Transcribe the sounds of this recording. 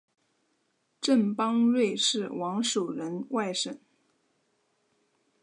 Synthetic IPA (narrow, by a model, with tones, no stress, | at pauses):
ʈ͡ʂə˥˩npɑ˥ŋɻwe˥˧ɪʂɻ̩˥˩wɑ˧˥ŋʂo˨˩ʊɻə˧˥nwa˥˧ɪʂə˥˨˩n